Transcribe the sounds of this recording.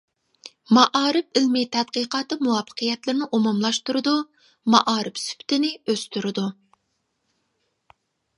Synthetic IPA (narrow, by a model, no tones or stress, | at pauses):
mɑʔɑːɾɪp̚ɪlmɪt̪ʰɛd̪̚qəqɑːt̪ɨmuwɑpʰːə̥qʰəjɛt̪lɪɾnɪʔumumlˠɑʃt̪uɾɨd̪u | mɑʔɑːɾɪpsy̥pt̪ɪnɪøst̪yɾɨd̪u